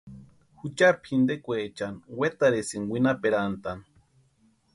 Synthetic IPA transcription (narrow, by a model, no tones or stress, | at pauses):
hut͡ʃaɾpʰhind̪ekʷeːt͡ʃanwet̪aɾesiŋwʷinapeɾant̪an